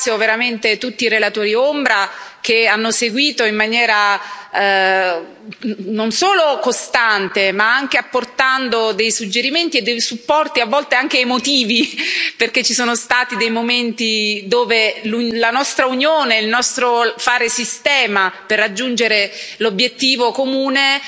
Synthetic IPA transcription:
sjoveɾament̪et̪ut̪ːiːɾelat̪oːɾiombɾak̟eanːoseɡwiːt̪oimːanjɛːɾa | nːonsoːlokost̪ant̪emaaŋk̟eapːort̪and̪od̪ejsud͡ʒːeɾiment̪ied̪ːejsupːɔrt̪iavːɔlt̪eaŋk̟eːmot̪iːviperket͡ʃːisoːnost̪aːt̪id̪ejmoment̪id̪oːvelulanɔst̪ɾaunjoːneilnɔst̪ɾofaːɾesist̪ɛːmaperːad͡ʒːund͡ʒeɾelobːjet̪ːiːvokomuːne

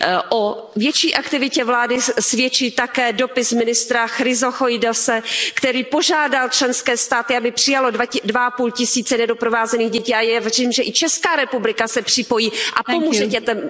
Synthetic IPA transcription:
ʔo | vjɛt͡ʃiːʔakt̪ɪvɪcɛvlaːdɪsvjɛt͡ʃiːt̪akɛːdo̞pɪsmɪnɪst̪ɾaxɾɪzoxojdosɛkt̪ɛɾiːpo̞ʒaːdalt͡ʃlɛnskɛːst̪aːt̪ɪabɪpr̝̥ɪjalo̞dadvaʔapuːlcɪsiːt͡sɛnɛdo̞pɾovaːzɛniːɣɟɛciːajavriːmʒɛʔɪt͡ʃɛskaːɾɛpublɪkasɛpr̝̥ɪpo̞jiːʔapomuʒɛcɛt̪ɛm

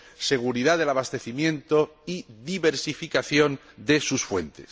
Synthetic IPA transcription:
se̞ɣ̞uɾiðaðe̞laβ̞ast̪e̞θimjẽ̞nt̪o̞iðiβe̞ɾsifikaθjo̞n | d̪e̞susfwe̞̰nt̪es

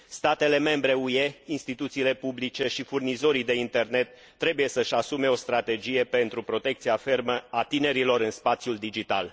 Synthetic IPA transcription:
st̪at̪e̞le̞me̞mbɾe̞uje̞inst̪it̪ut̪siːle̞publit͡ʃe̞ʃifurnizo̞ɾid̪e̞int̪e̞rne̞t̪ːɾe̞buje̞səʃʲasume̞o̞st̪ɾat̪e̞d͡ʒije̞pe̞nt̪ɾupɾo̞t̪e̞kt̪siafe̞rməat̪ine̞ɾilo̞ɾɨnspat̪sjuld̪id͡ʒit̪a̰l

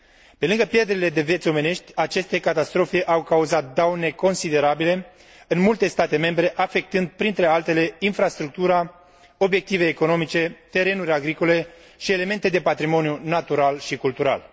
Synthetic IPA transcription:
pe̞lɨŋɡəpje̞rd̪eile̞d̪e̞vjet̪sʲo̞me̞ne̞ʃt̪ʲat͡ʃe̞st̪e̞kat̪ast̪ɾo̞feʔawkauzat̪̚d̪awne̞ko̞nsid̪e̞ɾabile̞ | ɨnmult̪e̞st̪at̪e̞me̞mbɾe̞ʔafe̞k̚t̪ɨnd̪pɾint̪ɾe̞alt̪e̞le̞infɾast̪ɾuk̚t̪uɾa | o̞bje̞k̚t̪ive̞jːko̞no̞mit͡ʃe̞t̪e̞ɾe̞nuɾʲaɡɾiko̞le̞ | ʃie̞le̞me̞nt̪e̞d̪e̞pat̪ɾimo̞njunat̪uɾalʃikult̪uɾa̰l

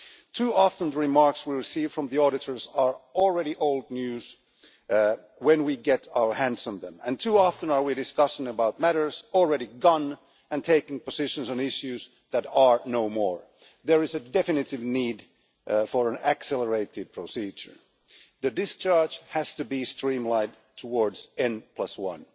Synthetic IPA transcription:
tʰuɑfə̃n̩ðəɹɨmɑɹkswiɹɨsiv̥fɹʌ̃mðiɔɾɨɾə˞zə˞ɔl̩ˠɹɛɾiʔoʊlˠd̚ⁿnjʉz̥ | wɛ̃nwiɡɛɾaʊə˞hæ̃ndsə̃mðə̰̃mɨ̰̃ntʰuɑfə̃nə˞widɨskʌsɪ̃ŋəbaʊt̚mæɾə˞z̥l̩ˠɹɛɾiɡʌ̃n | ɨ̃ntʰeɪkɪ̃ŋpəzɪʃɨ̃nzə̃n̩ɪʃjʉz | ðɨɾə˞noʊmɔɹ | ðəɹɨzɨdɛfɨnɨɾɪvnid | fəɹɨ̃nɨksɛlˠə˞eɪɾɨd̚pʰɹ̥osid͡ʒə̰˞ | ðɨdɪst͡ʃʰɑɹd͡ʒhæz̥tɨbistɹ̥ĩmlaɪd | tʰəwɔɹdz̥ɛ̃npʰlʌswʌ̰̃n

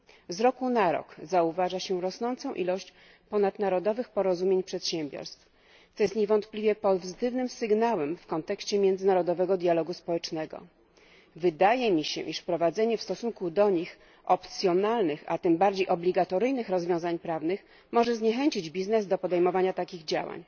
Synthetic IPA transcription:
zɾɔkunaɾɔ̰kzauvaʐaɕɛɾɔsnɔnt̪sɔ̃w̃ʔilɔɕt͡ɕ | pɔnat̪naɾɔd̪ɔvɘxpɔɾɔzumʲjeɲpʂɛt̪ɕɛmbʲjɔ̰ɾst̪f | t̪ɔjɛst̪ɲeɛvɔnt̪plʲivʲjɛpɔzzɘt̪ɘvnɘmsɘɡnawɛmfkɔnt̪ɛkɕt͡ɕɛmʲjɛ̃nd̪zɘnaɾɔd̪ɔvɛɡɔd̪ʲjalɔɡuspɔwɛt͡ʂnɛɡɔ̰ | vɘd̪ajɛmʲiɕɛ̰ʔiʂfpɾɔvad̪zɛɲɛfst̪ɔsuŋkud̪ɔɲix | ʔɔpt̪sʲjɔnalnɘxa̰t̪ɘmbaɾd͡ʑejʔɔblʲiɡat̪ɔɾɘjnɘxɾɔzvʲjɔ̃w̃zaɲpɾavnɘx | mɔʐɛzɲɛxɛɲt͡ɕid͡ʑbʲiznɛzd̪ɔpɔd̪ɛjmɔvaɲat̪akʲiɣd͡ʑa̰wa̰ɲ

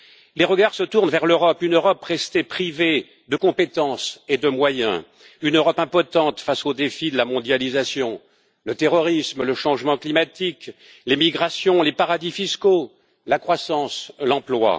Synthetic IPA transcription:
leʁəɡaʁsət̪uʁnvɛʁløʁɔpynøʁɔpʁɛst̪epχive | d̪əkɔ̃pet̪ɑ̃sed̪əmwajɛ̰̃ | ynøʁɔpɛ̃pɔt̪ɑ̃t̪fasod̪efid̪əlamɔ̃d̪jalizasjɔ̃ | lət̪eʁɔʁismləʃɑ̃ʒmɑ̃klimat̪ik | lemiɡʁasjɔ̃lepaʁad̪ifisko | lakχwasɑ̃slɑ̃plwa̰

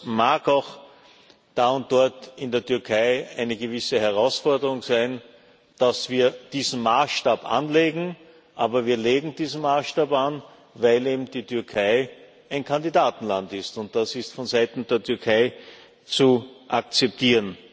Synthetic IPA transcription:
maːkaʊx | d̥aːʊnt̚d̥ɔɐtɪndeːɐtʰʏɐkʰæɪæɪnəɡəvɪsəhɛɐʁaʊsfɔɐdəʁʊŋsæɪn | d̥asv̥iːɐd̥iːzn̩maːsʃtaːpʔa̰nleːɡŋ̩ | ʔaːbɐviːɐleːɡŋ̩d̥iːzn̩maːsʃtaːpan | væɪleːbm̩d̥iːtʰʏɐkʰæɪ | æɪnkʰãndidaːtn̩lantɪstʊnt̚d̥asɪstfɔnzæɪtn̩deːɐtʰʏɐkʰæɪ | t͡suʔakt͡sɛp̚tʰiːʁən

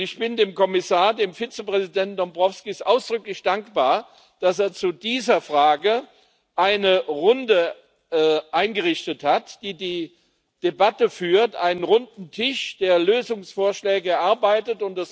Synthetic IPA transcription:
ɪçb̥ɪndeːmkɔmɪsaːɐdeːmfit͡səpʁ̥ɛzidɛntn̩d̥ɔmbʁɔfskisʔaʊsd̥ʁʏklɪçd̥aŋkb̥aːɐ | d̥aseːɐt͡sudiːzɐfʁ̥aːɡə | ʔaɪnəʁʊndə | ʔaɪnɡəʁɪçtəthatd̥iːdiː | d̥ebatəfyːɐtʔa̰ɪnənʁʊndn̩tʰɪʃd̥eːɐløːzʊŋsfoːɐʃlɛːɡəɛɐʔaɐbaɪtətʊntd̥as

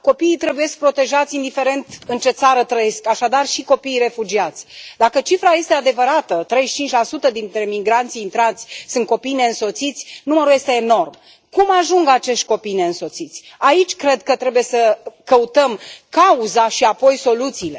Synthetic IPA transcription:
ko̞piːt̪ɾebuje̞sk̚pɾo̞t̪e̞ʒat̪sʲind̪ife̞ɾe̞nt̪ɨnt͡ʃe̞t̪saɾət̪ɾəje̞skaʃad̪arʃiko̞piːre̞fud͡ʒiat̪sʲd̪akət͡ʃifɾaje̞st̪e̞ad̪e̞vəɾat̪ət̪ɾe̞jʃt͡ʃint͡ʃʲlasut̪əd̪int̪ɾe̞miɡɾant̪sʲint̪ɾat̪sʲsɨnt̪̚ko̞pijne̞ɨnso̞t̪sit̪sʲnuməɾuje̞st̪e̞ːno̞rm | kumaʒuŋɡat͡ʃe̞ʃt̪̚ʲko̞pijne̞ɨnso̞t̪sit̪sʲ | ait͡ʃʲkɾe̞d̪kət̪ɾe̞buje̞səkəut̪əmkauzaʃiapo̞jso̞lut̪siːle

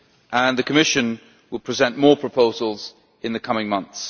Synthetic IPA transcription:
ʔə̃nðɨkʰəmɪʃɨ̃n | wəl̚ˠpʰɹ̥ɪzɛ̃nmɔːpʰɹ̥əpʰoʊzəlˠz̥ | ɪ̃nðɨkʰʌmɪ̃ŋmʌ̃nθs

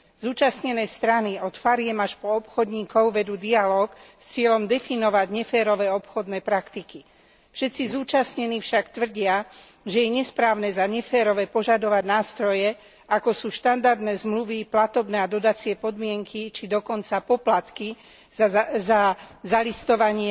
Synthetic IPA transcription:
zuːt͡ʃasɲɛnɛːst̪ɾaniɔt̪faɾɪɛmaʃpɔɔpxɔd̪ɲiːkɔʊʋɛd̪uːd̪ialɔːkst͡sɪɛʎɔmd̪ɛfinɔʋaɟɲɛfɛːɾɔʋɛːɔpxɔd̪nɛːpɾakt̪iki | fʃɛt̪t͡sizuːt͡ʃasɲɛnifʃakt̪ʋr̩ɟɪa | ʒɛjɛɲɛspɾaːʊnɛːzaɲɛfɛːɾɔʋɛpɔʒad̪ɔʋaɟnaːst̪ɾɔjɛ | akɔsuːʃt̪and̪aɾd̪nɛːzmluʋiplat̪ɔbnɛːad̪ɔd̪at͡sɪɛpɔd̪mɪɛŋkit͡ʃid̪ɔkɔnt͡sapɔplat̪ki | zazalist̪ɔʋaɲɪɛ

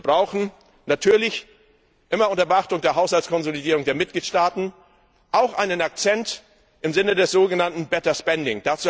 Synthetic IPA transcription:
bʁaʊxn̩ | natʰyːɐlɪç | ʔɪmɐʔʊntɐbəaχtʊŋdeːɐɦaʊshalt͡sskʰɔnzolidiːʁʊŋdeːɐmɪt̚ɡ̥liːtʃtaːtn̩ | ʔaʊxʔaɪnənak̚t͡sɛnt | ʔɪmzɪnədɛsz̥oːɡənantn̩bɛtɐspɛndɪŋd̥at͡suː

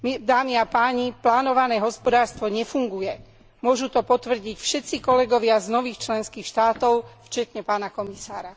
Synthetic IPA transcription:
md̪aːmiapaːɲiplaːnɔʋanɛːɦɔspɔd̪aːɾst̪ʋɔɲɛfuŋɡujɛ | mʊɔʒut̪ɔpɔt̪ʋr̩ɟicfʃɛt̪t͡sikɔlɛɡɔʋɪaznɔʋiːxt͡ʃlɛnskiːxʃt̪aːt̪ɔʊft͡ʃɛt̪ɲɛpaːnakɔmisaːɾa

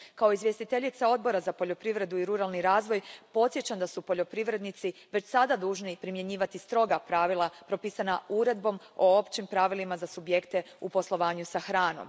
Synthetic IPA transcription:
kao̞izʋje̞st̪it̪e̞ʎit̪sao̞d̪̚bo̞ɾazapo̞ʎo̞pɾiʋɾe̞d̪uiɾuɾalˠniɾaːzʋo̞jpo̞t̪sje̞t͡ɕand̪asupo̞ʎo̞pɾiʋɾe̞d̪nit̪siʋe̞t͡ɕsad̪ad̪uːʒnipɾimje̞ɲiːʋat̪ist̪ɾo̞ɡapɾaːʋilˠapɾo̞piːsanauɾe̞d̪̚bo̞moo̞pt͡ɕimpɾaʋilimazasubje̞kt̪e̞ | upo̞slˠo̞ʋaːɲusaxɾaːno̞̰m

